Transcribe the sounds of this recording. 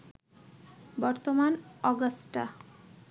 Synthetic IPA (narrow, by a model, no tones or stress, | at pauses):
bɔɾt̪omanɔɡosʈa̰